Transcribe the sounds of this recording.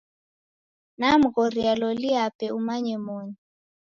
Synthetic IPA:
nam̩ɣɔɾialɔliapɛumaɲɛmɔɲi

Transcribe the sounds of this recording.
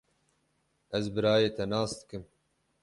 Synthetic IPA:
ɛzbɨɾɑːjeːt̪ʰɛnɑːsd̪ɨ̥kɨm

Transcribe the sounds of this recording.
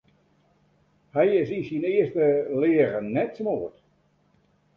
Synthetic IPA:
hɛjɪsisinɪəstəlɪəɾənɛtsmoːət

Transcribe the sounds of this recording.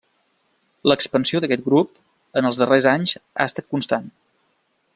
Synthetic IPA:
ləkspənsioðəkɛt̪̚ɡɾup | ənəlˠzðərezaɲza̰əst̪at̪̚kunst̪an

